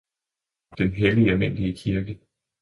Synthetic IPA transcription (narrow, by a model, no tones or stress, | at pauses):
d̥enɦeliɒmen̰d̥iəkʰiɐɡ̥ə